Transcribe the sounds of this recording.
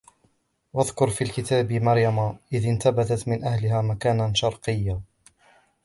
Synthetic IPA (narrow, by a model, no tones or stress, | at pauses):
waðkʊɾˤfiːlkɪt̪aːbmɑɾjamaʔɪðɪnt̪abat̪at̪mɪnʔahlɪhaːmakaːnaʃɑɾˤqɨjːa